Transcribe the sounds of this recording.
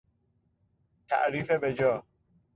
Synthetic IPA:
t̪ʰa̰ʔɾiːfebed͡ʒɔː

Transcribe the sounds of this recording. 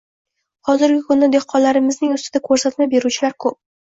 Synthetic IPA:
hɒzɪɾɡʲɪkʰʊnːɪd̪eqʰɒnlaɾɪmɪznɪŋʊst̪ɪd̪akʰɵɾsat̪mabe̞ɾut͡ʃʰɪlaɾkʰɵp̚

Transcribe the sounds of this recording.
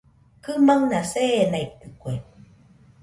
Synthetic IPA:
kɨmaŋnasenait̪ːɨkue

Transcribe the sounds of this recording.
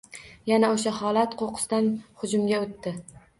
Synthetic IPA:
janaoʃ̬ahɒlˠat̪qʰoqʰɨ̥st̪anhʊd͡ʒʊmɡʲaot̪ːɪ

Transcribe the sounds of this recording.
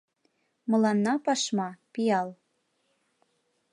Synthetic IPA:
mɤ̆lɑnːɑpɑʃmɑpijɑl

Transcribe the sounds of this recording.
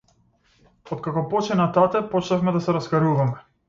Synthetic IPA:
ɔt̪̚kakɔpɔt͡ʃɛnat̪at̪ɛpɔt͡ʃnafmɛd̪asɛɾaskaɾuvamɛ

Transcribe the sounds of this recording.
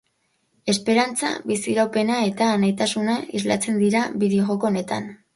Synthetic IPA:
e̞spe̞ɾant͡sa̰βisiɾawpe̞nae̞t̪aːnajt̪asunaizla̰t͡se̞nd̪iɾaβiðioɣoko̞ːne̞t̪a̰n

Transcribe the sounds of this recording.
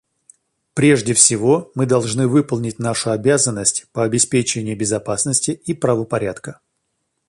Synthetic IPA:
pɾʲe̞ʐdʲɪfsʲɪvo̞mɨd̪ɐlˠʐnɨvɨpəlˠnʲɪtʲnaʂʊɐbʲazənːəsʲtʲpəɐbʲɪspʲet͡ɕɪənʲɪjəbʲɪzɐpasnəsʲtʲɪipɾəvəpɐɾʲat̪kə

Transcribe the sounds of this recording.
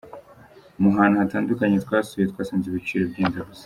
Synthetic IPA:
umuɦaːnuhataːndukaɲetwaːsujetkwaːsaːnziβit͡ʃiːɾebɟeːnzaɡuz

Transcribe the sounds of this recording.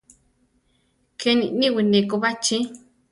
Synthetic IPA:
kʰenĩʔnĩwinẽkoβat͡ʃĩ

